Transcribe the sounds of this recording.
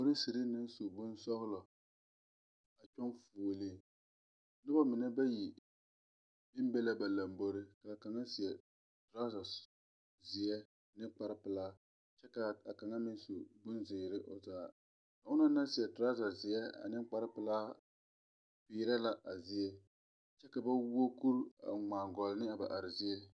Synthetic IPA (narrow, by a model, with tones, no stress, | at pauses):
o˦ɾɪ˦si˨ɾɪ˦nɪ˦nsu˨bʊ˦nsɔ˦ɣʊ˦lɔ˨ | a˨t͡ʃɔ˦nfo˨lɪ˦ | n˦ɨ˦ba˦mɪ˨nɛ˦ba˦ji˨ | mɪ˦m˦bɛ˦la˦ba˨la˨mbo˦ɾɪ˦ka˨ka˨ŋa˦si˨ɛ˨ | tɾa˦za˨s | zɪ˨ɛ˦˨ | nɪ˦k͡pa˦ɾɪ˦pɨ˨laː˦ | t͡ʃɛ˦ka˨a˨ka˨ŋa˦mɪ˦n˦su˨bʊ˦nzɪː˨ɾɪ˦ʔo˨zaː˨ | ka˨ʊ˦na˦na˦si˨ɛ˨tɾa˦za˨zɪ˨jɛ˦a̰˨nɪ˦mk͡pa˦ɾɪ˦pɪ˨˦laː˦ | pɪː˨˦ɾa˦la˦˨ʔa˨zɪ˦ɛ˦ | t͡ʃɛ˦ka˨ba˦wo˦ku˦ɾa̰˨ŋ͡maː˨ŋɡɔ˨lnɪ˦a˨ba̰˨ʔa˨ɾɪ˨zɪ˦ɛ˦